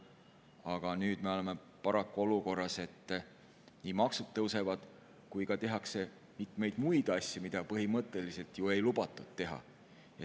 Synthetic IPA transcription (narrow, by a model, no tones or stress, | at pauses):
ɑɡ̥ɑnyːd̪̥me̞o̞le̞me̞ | pɑɾɑkːˑuo̞luko̞rːɑse̞t̪ː | niːmɑksud̪̚ːɤwse̞vɑd̪̥ | kujkɑt̪e̞ɦɑkse̞ | mit̪ːˑmejd̪̥mujd̪̥ɑsʲjɑmid̪̥ɑpɤɦimɤt̪ːˑe̞lise̞lt̪jue̞jlub̥ɑt̪ːˑud̪̥̚t̪e̞ɦɑ̰ | jɑ